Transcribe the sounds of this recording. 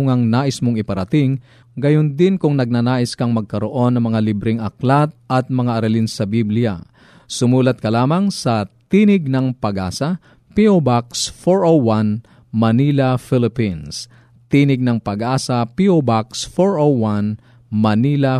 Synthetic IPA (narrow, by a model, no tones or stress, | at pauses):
ʊŋɐŋnaːʔɪsmoŋɪpɐɾɐt̪ɪŋ | ɡɐjond̪ɪnkʊŋnɐɡ̚nanaːʔɪskɐŋmɐɡ̚kɐɾoʔo̞nːɐŋmɐŋalibɾɪŋʔɐklat̪̚ɐt̪̚mɐŋaʔɐɾɐlɪnsɐbiblɪja̰ | sʊmuːlɐt̪̚kɐlaːmɐŋsɐt̪inɪɡ̚nɐŋpɐɡʔa̰ːsɐ | piʔobaksfoɹowan | mɐniːlɐfɪlɪpins | t̪iːnɪɡ̚nɐŋpɐɡʔaːsɐpiʔobaksfoɹʔowan | mɐniːlɐ